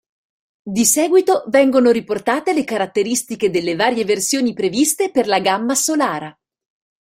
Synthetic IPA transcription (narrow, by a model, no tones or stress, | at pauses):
d̪isɛːɡwit̪ovɛŋɡonoɾiport̪aːt̪elekaɾat̪ːeɾist̪iked̪elːevaːɾjeversjoːnipɾevist̪eperlaɡamːasolaːɾa